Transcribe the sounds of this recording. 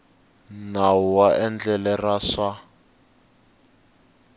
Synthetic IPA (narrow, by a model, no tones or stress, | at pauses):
nauwaʔɛnd͡ɮɛlɛraʂa